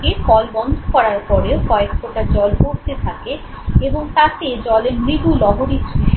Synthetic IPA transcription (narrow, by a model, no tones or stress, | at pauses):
kekɔlbɔnd̪ʱokɔɾaɾpɔɾeokɔekːoʈad͡ʑɔlpoɾt̪et̪ʰake | eboŋt̪ak̪ed͡ʑɔleɾmɾibulɔɦoɾitːʰe